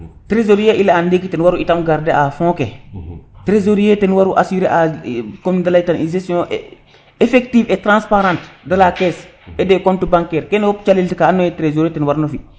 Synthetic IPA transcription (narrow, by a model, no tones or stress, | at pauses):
tɾezoɾijeʔilaandekitenwaɾuitamɡaɾdeafõke | tɾezoɾijetenwaɾuʔasiɾeʔakomndalaitaninzestõʔ | efek̚tiːfetɾãnspaɾãntdalakesedekontubãŋkɛːɾkenopt͡ʃaliltikaːnːojetɾezoɾetenwaɾnofi